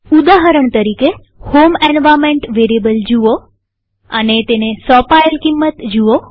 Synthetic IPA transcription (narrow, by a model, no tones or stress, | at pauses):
ud̪aɦəɾəɳt̪əɾike | homɛnʋamẽɳʈʋeɾibəld͡ʒuʋo | ə̰net̪enesɔpajlkimːət̪d͡ʒuʋo